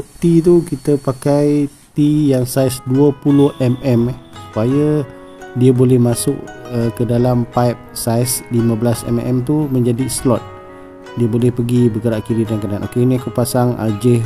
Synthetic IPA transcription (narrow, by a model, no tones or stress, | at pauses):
t̪it̪̬ukit̪əpakaj | t̪ijaŋsajsduəpulʊhɛmɛmsu̥pajə | diəbolɛhmasʊʔəkədalampajp̚sajsliməbəlasɛ̰mɛ̰mt̪uməɲd͡ʒadislɔt̪̚ | diəbolɛhpəɡibəɡəɾaʔkiɾidankananʔokeniakuʔpasaŋa̰d͡ʒɪ